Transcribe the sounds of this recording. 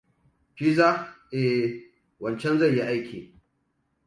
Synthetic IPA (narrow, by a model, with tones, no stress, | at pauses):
ɸi˦za˦ʔe˨ | wɐ˨nt͡ʃɛ˦nzɐ˦˨jji˦ʔa˦jkʲʰḭː˨